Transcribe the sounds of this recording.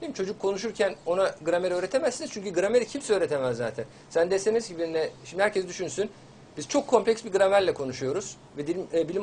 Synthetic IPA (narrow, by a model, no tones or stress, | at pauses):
iimt͡ʃʰo̞d͡ʒukʰːo̞nuʃ̬uɾcʰæno̞naɡɯɾameɾø̞ːɾet̪ʰe̞mæzːinizt͡ʃʰyɲcyɡɯɾameɾicʰimsɛøːɾet̪ʰe̞mæzːaːt̪ʰæn | sænd̪ɛst̪enizɟibinɛʃimd̪ihæɾcʰɛsd̪yʃynsyn | biz̥t͡ʃʰo̞kʰːo̞mplʲɛcsbiɡɯɾamæɾlʲɛkʰo̞nuʃujo̞ɾuz̥ | vɛd̪ilʲɛbilʲim